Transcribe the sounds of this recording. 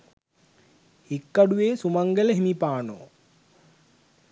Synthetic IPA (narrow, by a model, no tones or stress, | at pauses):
hikːaɖuʋeːsumaŋɡələɦimipaːno̰ː